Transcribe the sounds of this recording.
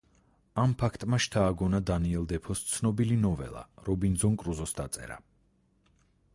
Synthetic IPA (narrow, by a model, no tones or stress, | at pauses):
ampʰakʰt̪ʼmaʃt̪ʰaːɡɔnad̪aniɛlˠd̪ɛpʰɔst̪sʰnɔbilinɔvɛ̰lˠa̰ɾɔbind̪zɔnkʼɾuzɔsd̪at̪sʼɛ̰ɾa̰